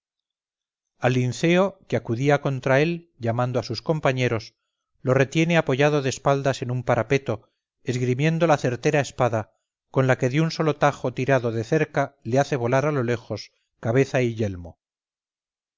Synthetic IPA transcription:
alːinθe̞o̞keakuðiako̞nt̪ɾae̞l | ʎamãnd̪oasusko̞mpaɲe̞ɾo̞s | lo̞re̞t̪je̞ne̞apo̞ʝað̞o̞ðespald̪ase̞numpaɾʔape̞t̪o̞ | e̞zɣɾimje̞nd̪o̞laθe̞ɾt̪e̞ɾae̞spaða | ko̞nlake̞ðeunso̞lo̞t̪axo̞t̪iɾaðo̞ðeθe̞ɾkale̞aθe̞β̞o̞laɾalo̞le̞xo̞s | kaβ̞e̞θaiʎe̞lmo

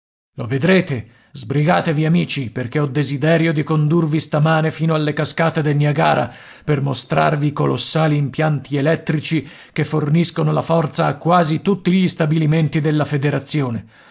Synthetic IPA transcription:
loved̪ɾeːt̪e | zbɾiɡaːt̪eviamiːt͡ʃiperk̟eɔd̪ezid̪ɛːɾjod̪ikond̪urvist̪amaːnefiːnoalːekaskaːt̪ed̪elmiaɡaːɾa̰ | permost̪ɾa̰rvikolosːaːliːmpjant̪ielɛt̪ːɾit͡ʃi | kefːorniskonolafɔrt̪saːkːwaːzit̪ut̪ːiʎist̪abiliment̪id̪elːafed̪eɾat̪sːjoːne

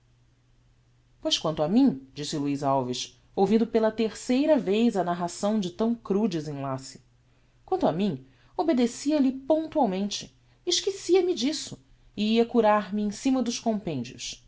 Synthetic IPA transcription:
pojʃkwɐ̃nt̪ʊamĩd͡ʒisɪluizawviʃ | owvĩnd̪ʊpelɐt̪eɾsejɾɐvejzɐnaɦasɐ̃w̃d͡ʒɪt̪ɐ̃w̃kɾud͡ʒɪzẽj̃lasɪ̥ | kwɐ̃nt̪ʊamĩŋ | obed̪esiɐlɪpõnt̪uawmẽnt͡ʃɪ̥ | ɪʃkisiɐmɪd͡ʒisʊ | ɪiɐkuɾaɾmɪẽj̃sĩmɐd̪ʊʃkõmpẽnd͡ʒiʊ̰s

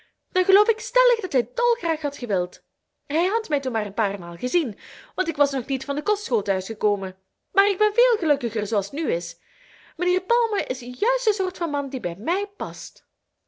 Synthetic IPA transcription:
d̥ɑnxəlowfɪkstɛləxdɑtɦɛjdɔlˠxraːxɦɑtxəʋɪlˠt | ɦɛjɦɑtmɛjtunmaːrənpaːrmaːlˠɣəzinʋɑntɪkʋɑsnɔxnitfɑndəkɔstxoːlˠtœɥsxəkoːmən | maːɾɪɡ̚bɛnveːlˠɣəlɵkəxərzoːɑlˠstnyɪs | məneːrpɑlˠməʔɪsjœɥstəsoːrtfɑnmɑndibɛjmɛjpɑst

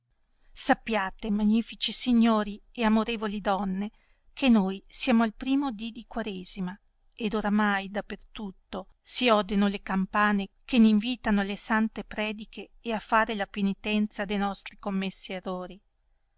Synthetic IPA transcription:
sapːjaːt̪emaɲːiːfit͡ʃisiɲːoːɾieamoɾeːvolid̪ɔnːe | kʰenːojsjaːmoalpɾiːmod̪id̪ikwaɾeːzima | ed̪oɾamajd̪apːert̪ut̪ːo | siɔd̪onolekampaːnekeniɱviːt̪anolesant̪epɾɛːd̪ikʰeːafːaːɾelapenit̪ɛnt̪sad̪ejnɔst̪ɾikomːesːieroːɾi

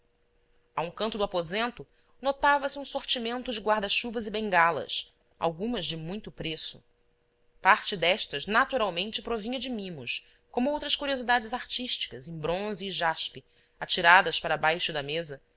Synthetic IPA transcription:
aũkɐ̃nt̪ʊd̪ʊapozẽnt̪ʊ | not̪avɐsɪũsoɾt͡ʃimẽnt̪ʊd͡ʒɪɡwaɾd̪ɐʃuvɐzɪbẽŋɡalɐ̰s | a̰wɡũmɐzd͡ʒɪmũj̃t̪ʊpɾesʊ̥̰ | paɾt͡ʃɪd̪ɛʃt̪ɐznat̪uɾawmẽnt͡ʃɪpɾovĩɲɐd͡ʒɪmĩmʊʃ | kõmʊowt̪ɾɐskuɾiozid̪ad͡ʒɪzaɾt͡ʃiʃt͡ʃi̥kɐzẽbɾõziːʒaʃpɪ | at͡ʃiɾad̪ɐspaɾɐbajʃʊd̪ɐmezɐ

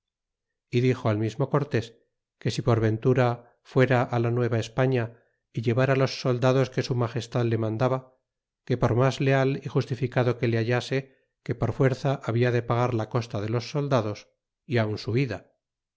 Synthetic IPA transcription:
iðixo̞almizmo̞ko̞ɾt̪e̞s | ke̞sipo̞ɾβẽ̞nt̪uɾa | fwe̞ɾaʔːlanwe̞βaespaɲa | iʎe̞βaɾalo̞sːo̞ld̪aðo̞ske̞sumaχe̞st̪aðle̞mãnd̪aβa | ke̞po̞ɾmazle̞alixust̪ifikaðo̞ke̞leaʎase̞ | ke̞po̞ɾfwe̞ɾθaʔaβiaðe̞paɣaɾlako̞st̪aðe̞lo̞sːo̞ld̪aðo̞s | iaunsuiða

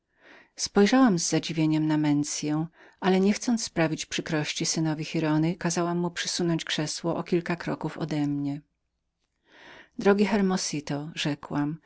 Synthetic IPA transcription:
spɔjʐawamzːad͡ʑivʲjeɲɛmnamɛnt̪sʲjɛw̃ʔalɛɲɛxt̪sɔnt̪sspɾavʲit͡ɕpʂɘkɾɔɕt͡ɕisɘnɔvʲixʲiɾɔnɘkazawamːupʂɘ̥sunɔɲt͡ɕkʂɛswɔʔɔkʲilkakɾɔkufɔ̰d̪ɛmɲɛ | d̪ɾɔɡʲixɛɾmɔsit̪ɔʐɛkwam

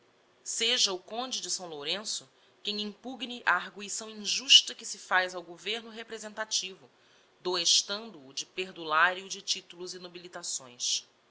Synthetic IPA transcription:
seʒɐʊkõnd͡ʒɪd͡ʒɪsɐ̃w̃loɾẽsʊ | kẽj̃ĩpuɡniʔɐːɦɡuisɐ̃w̃ĩʒuʃt̪ɐkɪsɪfajzawɡoveɾnʊɦepɾezẽnt̪at͡ʃivʊ | d̪oeʃt̪ɐ̃nd̪ʊːd͡ʒɪpeɾd̪ulaɾiʊd͡ʒɪt͡ʃit̪ulʊzɪnobilit̪asõ̰j̃s

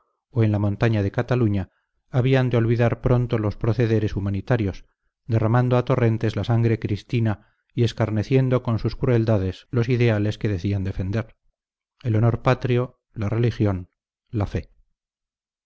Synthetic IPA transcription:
oe̞nlamõ̞nt̪aɲað̞e̞kat̪aluɲaː | β̞iand̪eo̞lβiðaɾpɾo̞nt̪o̞lo̞spɾo̞θe̞ðe̞ɾe̞sumanit̪aɾjo̞s | ðe̞ramand̪oat̪o̞re̞nt̪e̞zlasaŋɡɾe̞kɾist̪ina | ie̞skaɾne̞θje̞nd̪o̞ko̞nsuskɾue̞ld̪aðe̞slo̞siðe̞ale̞ske̞ðe̞θiand̪e̞fe̞nd̪e̞ɾ | e̞lo̞no̞ɾpat̪ɾio̞ | lare̞lixjo̞n | lafe̞

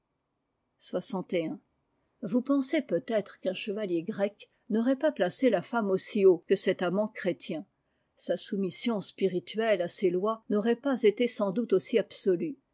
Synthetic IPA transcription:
swasɑ̃t̪eɛ̃ | vupɑ̃sepøt̪ɛt̪χəkɛ̃ʃəvaljeɡʁɛk | nɔʁɛpaplaselafamosiokəsɛt̪amɑ̃kχet̪jɛ̃ | sasumisjɔ̃spiʁit̪ɥɛlaselwanɔʁɛpazet̪esɑ̃d̪ut̪osiabsɔly

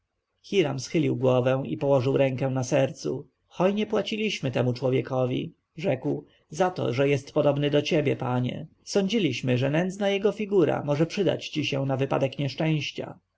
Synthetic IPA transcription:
xʲiɾamsxɘlʲiwɡwɔvɛ̃ipɔwɔʐɘwɾɛ̃ŋkɛ̃nasɛɾt̪su | xɔjɲɛpwat͡ɕilʲiɕmɘt̪ɛmut͡ʂwɔvʲjɛkɔvʲḭ | ʐɛkw | zat̪ɔ̰ʐɛjɛst̪pɔd̪ɔbnɘd̪ɔt͡ɕɛbʲjɛpaɲɛ̰ | sɔɲd͡ʑilʲiɕmɘʐɛnɛnd̪znajɛɡɔfʲiɡuɾa̰mɔʐɛpʂɘd̪a̰t͡ɕt͡ɕiɕɛ̃navɘpa̰d̪ɛkɲɛʂt͡ʂɛ̃w̃ɕt͡ɕa̰

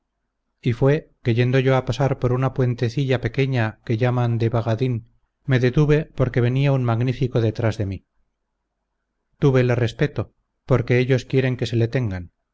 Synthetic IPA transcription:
ifwe̞keʝe̞nd̪oʝo̞apasaɾpo̞ɾunapwe̞nt̪e̞θiʎape̞ke̞ɲake̞ʝamand̪e̞βaɣaðin | me̞ðe̞t̪uβe̞po̞ɾke̞βe̞niaunmaɣnifiko̞ðe̞t̪ɾazðe̞mi | t̪uβe̞lere̞spe̞t̪o̞ | po̞ɾke̞eʎo̞skje̞ɾe̞ŋke̞se̞le̞t̪e̞ŋɡan

